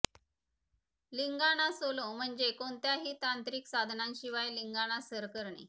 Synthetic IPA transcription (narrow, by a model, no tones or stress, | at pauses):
liŋɡaɽ̃asolom̤əɳd͡ʑekoɳt̪jaɦiːt̪ant̪ɾiːksad̪ʱnanɕiʋajliŋɡaɽ̃asəɾkəɾɳḛ